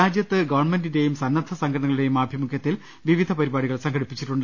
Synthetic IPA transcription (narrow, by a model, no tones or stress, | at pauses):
aːd͡ʑjɐt̪ːɨɡɐʋɐɳmendinde̞jumsɐnːɐd̪ʰʱɐsɐŋɡʰɐɳɐŋɐɭɽe̞jumaːbʱjɐmukʰjɐt̪ːil | ʋiʋid̪ʱɐpɐɾibaːɽiɣɐɭsɐŋɡɐɽipːit͡ɕːiʈːuɳɖɨ